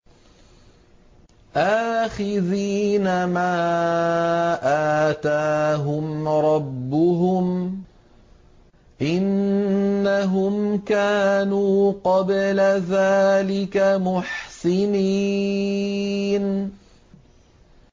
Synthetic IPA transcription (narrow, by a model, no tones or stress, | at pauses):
ʔaːxɪðiːnamaː | ʔaːt̪aːɦʊmɾˤɑbːʊɦʊm | ʔɪnː | aɦʊmkaːnuːqɑblaðaːlɪkamʊħsɪni | n